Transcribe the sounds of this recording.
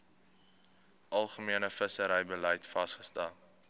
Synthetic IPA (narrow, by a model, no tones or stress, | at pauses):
ʔɐlˠχəmiənəfəsəɾəjbəlɛjtfɐstχə̥stɛlˠ